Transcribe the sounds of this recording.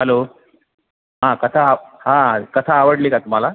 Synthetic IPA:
ɦəlo | ɦãkət̪ʰahãkət̪ʰaːʋəɽlekat̪um̤ala

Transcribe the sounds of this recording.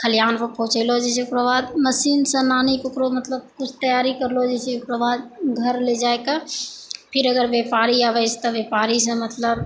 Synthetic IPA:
kʰəlijaːnpəpõːt͡ʃelod͡ʒɛsiʊkɾəʋaːd̪məsiːnsɐ̃naːnikʊkɾomət̪ləb̚kʊt͡ʃʰt̪əjaːɾikɐɾlod͡ʒɛːseʊkɾəʋaːd̪̚ɡʱəɾled͡ʒaːeka | pʰɪɾəɡəɾʋjeːpaːɾiaːʋəsʰt̪ɐʋjeːpaːɾis̬ɐ̃mɐt̪ləb

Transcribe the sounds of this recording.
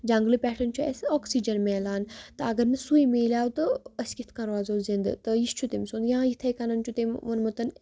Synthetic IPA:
d͡ʒɐŋɡlɨpʲɛːʈʰɐnt͡ʃʰuḛsoːksid͡ʒɐnmeːlaːnt̪ɨɐɡɐɾnɨsujmeːlʲaːwt̪ɨɐskit̪ʰkɐɾʋaːzoːzind̪ɨ̰t̪ɨjist͡ʃʰut̪emʲsuːnd̪jãːjit̪ʰɐjkɐnɐnt͡ʃʰut̪emʋɐnmɐt̪ɐn

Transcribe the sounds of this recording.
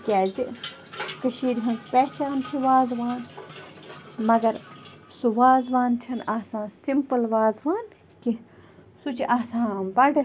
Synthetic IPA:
kʲaːzi | k̪ɨʃiːɾʲiɦɐnspet͡ʃaːnt͡ʃʰiʋaːzʋaːn | mɐɡɐɾsuʋaːzʋaːnt͡ʃʰɐnaːsãːsimpəlʋaːzʋaːn | kisut͡ʃʰiʔaːsãːnbɐɖɐ

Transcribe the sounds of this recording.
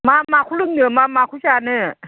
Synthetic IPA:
maːmaːkʰulɯŋnɯmaːmaːkʰusʰaːnɯː

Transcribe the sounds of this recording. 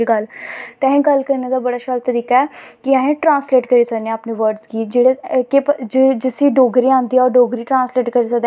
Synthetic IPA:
iɡəlt̪ɛ̃ːẽːɡəlkəɾneːd̪aːbəɽaːʃəlt̪əɾiːkaɛːkɪãẽːʈɾãːnsleːʈkəɾiːsənẽpneːʋəɾɖzkiːd͡ʒeːɽekepd͡ʒd͡ʒɪsiːɖoːɡɾiːãːnd̪iːɔɾɖoːɡɾiːʈɾãːnsleːʈkəɾiːsəkd̪

